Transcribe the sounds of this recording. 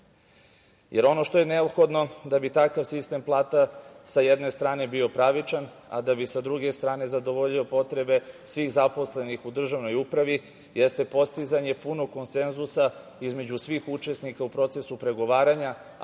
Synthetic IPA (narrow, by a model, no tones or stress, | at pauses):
jeɾo̞no̞ʃt̪o̞jene̞o̞bxo̞d̪no̞d̪abit̪akaʋsist̪e̞mplˠaːt̪asajed̪ne̞st̪ɾaːne̞bio̞pɾaʋit͡ʃan | a̰d̪abisad̪ɾuɡe̞st̪ɾaːne̞zad̪o̞ʋo̞ʎio̞po̞t̪ɾe̞be̞sʋiːɣzapo̞sle̞nixud̪r̩ʒaʋno̞jupɾaʋi | jest̪e̞po̞st̪izaɲe̞punoko̞nse̞nzusa | izme̞d͡ʑusʋiːxut͡ʃe̞snikaupɾo̞t̪se̞supɾe̞ɡo̞ʋaːɾaɲa